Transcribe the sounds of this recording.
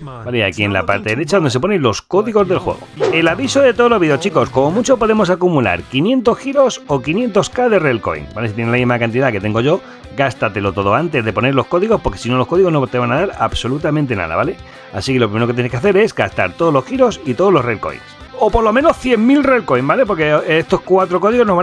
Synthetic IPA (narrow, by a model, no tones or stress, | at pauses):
balea̰kie̞nla̰paɾt̪eðeɾe̞t͡ʃaðo̞nd̪ese̞po̞ne̞nlo̞sko̞ðiɣo̞zðe̞lxwe̞̰ɣ̞o̞̰e̞laβiso̞ðe̞t̪olo̞βiðeot͡ʃikosko̞mo̞mut͡ʃo̞po̞ðe̞mo̞sakumula̰ɾkinje̞nt̪o̞sxiɾo̞so̞kinje̞nt̪o̞skaðe̞re̞lko̞̰ḭŋbaleit̪jenlaeɣɾimakant̪iðake̞t̪e̞ŋɡo̞ʝo̞ | ɡast̪at̪e̞lo̞t̪o̞ðo̞ant̪e̞zðe̞po̞ne̞ɾlo̞sko̞ðiɣo̞spo̞ɾke̞sino̞lo̞hko̞ðiɣo̞znot̪eβanaðaɾa̰bso̞lut̪amẽnt̪e̞na̰ða̰βale̞ | a̰sike̞lop̬ɾimeɾo̞keenekeaθe̞ɾe̞zɡast̪a̰ɾt̪oðolo̞sxiɾo̞sit̪o̞ðolo̞srelko̞̰ḭns | o̞po̞ɾlo̞mẽno̞sθje̞ŋmilre̞lko̞imbale̞p̬o̞ɾkeest̪o̞skwat̪ɾo̞ko̞ð̞iɣo̞zno̞zβa